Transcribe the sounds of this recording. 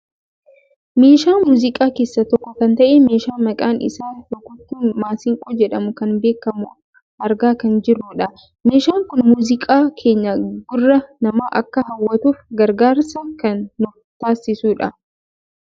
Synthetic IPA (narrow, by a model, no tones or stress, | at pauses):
me̞ːʃaːmuːzɪkʼaːke̞ːsːɐt̪ɔkːɔkɐnt̪ɐʔeːme̞ːʃaːmɐkʼaːnɪ̰saːlɔkʊt̪ːuːnmaːsɪŋkʼɔːd͡ʒɛᶑɐmʊkɐnbe̞ːkːɐmʊ | ʔɐɾɡaːkɐnd͡ʒɪrːʊːᶑɐ | me̞ːʃaːŋkʊnmuːzɪkʼaːkʰe̞ːɲːɐɡʊrːɐnɐmaːʔɐkːɐɦɐwːɐt̪uːfɡɐɾɡaːɾsɐkɐnːʊ | t̪aːsːɪsuːᶑɐ